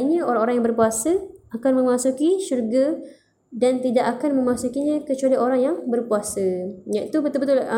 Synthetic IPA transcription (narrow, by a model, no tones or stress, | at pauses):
iɲə̃oɾaŋoɾaŋjaŋbərpuasəakanmə̃masukiʃurɡa | dant̪idaʔakanmə̃masukiɲə̃kət͡ʃualioɾaŋjaŋbərpuasəjãit̪ubət̪ʊlbət̪ʊl